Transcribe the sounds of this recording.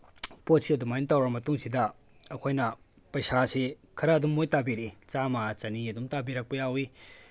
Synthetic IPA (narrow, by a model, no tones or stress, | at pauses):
pot̚siɐdumajintawɾɐmɐtuŋsidɐ | ɐkʰojnɐ | pɐjsase | kʰɐɾɐːdumːojtabiɾit͡ʃamat͡ʃɐniɐdumtabiɾɐk̚pɐjawi